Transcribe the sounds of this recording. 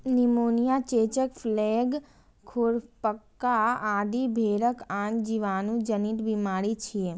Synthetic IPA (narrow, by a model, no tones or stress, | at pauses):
nimonijat͡ʃet͡ʃəkfleɡ | kʰoɽpəkːaad̪ibʱeɾəkʰãnd͡ʒiʋanũd͡ʒəniʈ̪bimaɾit͡ʃʰie